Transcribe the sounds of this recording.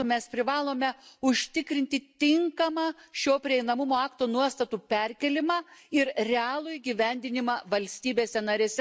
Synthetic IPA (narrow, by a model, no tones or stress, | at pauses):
mʲɛspʲɾʲɪʋɑːlˠoːmʲɛʊʃʲt̪ʲɪkɾʲɪnʲt̪ʲɪt̪ʲɪŋkɐmɑːʃʲoːpʲɾʲɪɛɪnɐmʊmoːɑːkt̪oːnuɔst̪ɐt̪uːpʲɛɾʲkʲɛlʲɪmɑːɪɾrʲɛɑːlˠʊiɡʲiʋʲɛnʲd̪ʲɪnʲɪmɑːʋɐlʲsʲt̪ʲiːbʲeːsʲɛnɐɾʲeːsʲɛ